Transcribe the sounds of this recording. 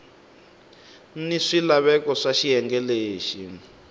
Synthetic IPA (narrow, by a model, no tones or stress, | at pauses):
niʂilaβɛkɔʂaʃijɛŋɡɛleːʃi